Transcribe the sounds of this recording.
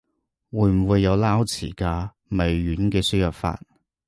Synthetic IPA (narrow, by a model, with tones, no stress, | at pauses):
wuː˨˧˥jm̩˨˩wuː˨˧jːɐ˨˧wlaː˥wt͡sʰḭː˨˩kaː˧ | me˨˧jɥyː˨˥nkɛː˧sy˥jɐ˨p̚fa̰ː˧t̚